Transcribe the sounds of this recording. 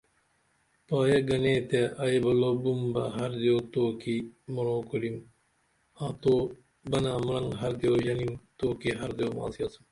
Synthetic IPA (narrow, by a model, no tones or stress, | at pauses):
paːjɐɡɐneːt̪eɐebɐloːbumbɐ̰ɦɐɾd̪ioːt̪oːkimɐɾoːkoɽim | aːt̪oː | bɐnaːmɐlɐŋɦɐɾd̪joːʒɐnimt̪oːkiɦɐɾd̪joːma̰ːsiɐsum